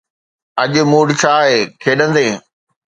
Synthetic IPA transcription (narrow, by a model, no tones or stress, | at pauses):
ɐʄɪmuːɽt͡ɕʰaːɦeːkʰeːɗə̃nd̪eː